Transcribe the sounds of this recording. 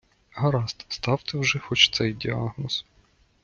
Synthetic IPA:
ɦɐɾɑst̪st̪ɑwt̪ɪwʒɛxɔt͡ʃt̪sɛjdʲiɑɦnɔs

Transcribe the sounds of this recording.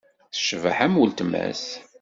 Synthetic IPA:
θə̥ʃva̰ħæmwəlt̪mæ̰s

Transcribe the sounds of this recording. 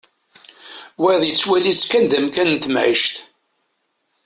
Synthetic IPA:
wæðˤjət͡sːwælit͡sːkænd̪æmkænnt̪mʕiʃt̪

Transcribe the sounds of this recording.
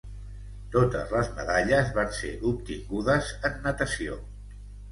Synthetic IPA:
t̪ot̪ə̰zləzmə̰ðaʎəzβansḛʔup̚t̪iŋɡuðəzənːət̪əsio

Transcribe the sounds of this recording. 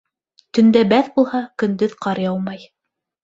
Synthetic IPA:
t̪ɵ̆nd̪æbæθbulˠhɑkɵ̆nd̪ɵðqʰɑɾjɑw̪ˠmɑj

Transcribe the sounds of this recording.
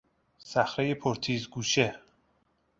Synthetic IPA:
sæxɾejepʰoɾt̪ʰiːzɡuːʃe

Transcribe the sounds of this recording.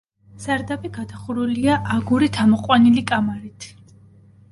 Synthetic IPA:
z̥aɾd̪abiɡad̪aχuɾuliaʔːɡuɾit̪ʰamɔqʼwanilikʼamaɾit̪ʰ

